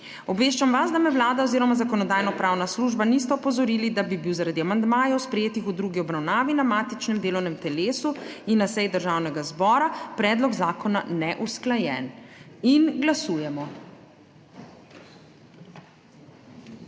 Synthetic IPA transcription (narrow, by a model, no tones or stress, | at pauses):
ɔbʋeːʃt͡ʃamʋasd̪amɛwlaːd̪aɔziːɾɔmazakɔnɔd̪aːjnɔpɾaːwnasluːʒbanis̬t̪ɛɔpɔzɔɾiːlid̪abibiwzaɾad̪iamand̪maːjɔwspɾɛjeːt̪ixud̪ɾuːɡiɔbɾawnaːʋinamaːt̪it͡ʃnɛmd̪eːlɔwnɛmt̪ɛleːsuinːasɛjd̪əɾʒaːwnɛɡazbɔːɾapɾɛːd̪lɔɡzaːkɔnanɛʔusklajɛninɡlasuːjɛmɔ